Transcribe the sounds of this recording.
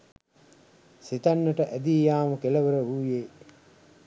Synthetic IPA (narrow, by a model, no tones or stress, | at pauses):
sit̪anːəʈəʔæd̪iːjaːməkeləʋəɾəʋuːjeː